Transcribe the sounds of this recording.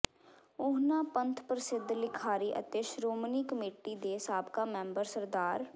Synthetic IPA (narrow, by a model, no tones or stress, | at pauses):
ʊɦnaːpə̃nt̪ʰpɾəsɪd̪ʱlɪkʰaːɾiːʔə̰t̪eːʃɾoːməniːkəmeːʈːid̪eːsaːbkamɛ̃ːmbəɾsəɾd̪aːɾ